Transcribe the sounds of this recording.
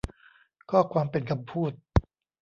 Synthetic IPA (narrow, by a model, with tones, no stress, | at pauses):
kʰɔː˥˩kʰwaː˧mpe˧nkʰa˧mpʰuː˥˩t̪̚